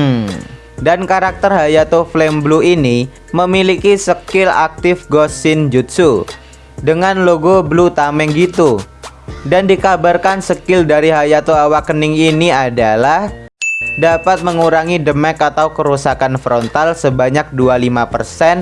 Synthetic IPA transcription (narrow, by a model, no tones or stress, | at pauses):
dankaɾak̚t̪ərɦajat̪oflɛmbluini | məmilikisəkɪla̰k̚t̪ɪfɡɔsɪnd͡ʒut̪su | dəŋanloɡoblut̪amɛŋɡit̪u | dandikabarkansəkɪldaɾiɦajat̪oawakːənɪŋiniadalah | dapat̪̚məŋuɾaŋidəmɛkat̪awkəɾusakanfɾɔnt̪alsəbaɲak̚dualimapə̰rsɛn